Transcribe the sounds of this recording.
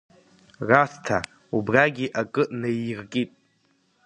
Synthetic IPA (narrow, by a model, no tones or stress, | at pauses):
rastʰa | ubraɡʲiʔakʼɨʔnajrkʼitʼ